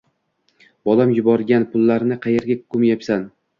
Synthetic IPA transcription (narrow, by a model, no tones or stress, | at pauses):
bɒlamjʊbɒɾɡʲanpʰʊlˠːaɾnɪqʰɑjeɾɡʲakʰʊmjapsan